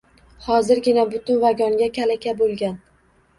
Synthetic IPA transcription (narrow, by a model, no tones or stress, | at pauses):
hɒzɪɾɡʲɪnabʊt̪ʊnvaɡʲɒŋɡʲakʲʰalakʲabolˠɡʲan